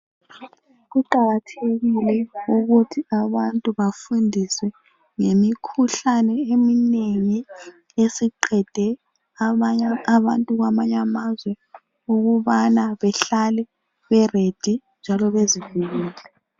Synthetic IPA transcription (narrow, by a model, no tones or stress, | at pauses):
ɣuǃaɣatʰeɣilɛuɣutʰiaβantʼuβafundʱiswɛ | ŋemikʰuɬanɛemineŋi | esiǃɛd̥ʱɛ | aaːβantʼuɣamaɲamazwɛ | uɣuβanaβɛɬalɛ | βɛred̥ʱi | nd͡ʒʱalɔβeziviɣiːlɛ